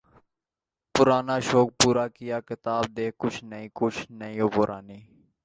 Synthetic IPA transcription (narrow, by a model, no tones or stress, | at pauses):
pʊɾaːnaːʃoːk̚puːɾaːkɪjaːkɪt̪aːb̚d̪eːkʊt͡ʃʰnəĩːkʊt͡ʃʰnəĩːoːpʊɾʔa̰ːniː